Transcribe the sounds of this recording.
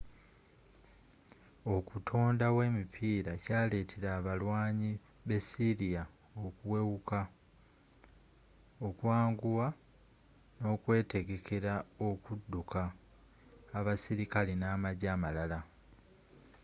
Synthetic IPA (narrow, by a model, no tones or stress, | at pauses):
okutʰo̞ːndawe̞ːmipʰiːɾacaːle̞ːtʰeɾaːβalwaːɲi | βe̞siɾija | okuwe̞wuka | okwaːŋɡuwa | no̞ːkwe̞ːte̞ɡe̞kʰe̞ɾaokudːukaː | βasiɾikalinaːmaɟaːmalala